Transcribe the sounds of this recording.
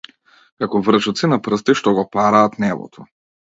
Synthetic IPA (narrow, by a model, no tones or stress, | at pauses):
kakɔvr̩ʒɔt̪sinapr̩st̪iʃt̪ɔɡɔpaɾaːt̪nɛvɔ̰t̪ʰɔ